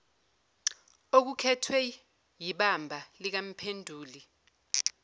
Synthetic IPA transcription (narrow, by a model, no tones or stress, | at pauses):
ok̬ukʰɛtʰwɛ | jiɓambʱalik̬am̩pʰendʱuːli